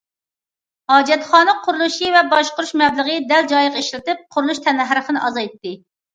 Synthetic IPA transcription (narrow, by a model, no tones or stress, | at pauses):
hɑːd͡ʒɛt̪χɑːnɨqʰʊɾulˠuʃivɛbɑʃqʊɾuʃmɛbləʁəd̪ɛld͡ʒɑjɪqeʃlɪt̪ɪp̚qʰʊɾulˠuʃt̪ʰɛnæɦɾəχənɨʔɑzɑjt̪ːɪ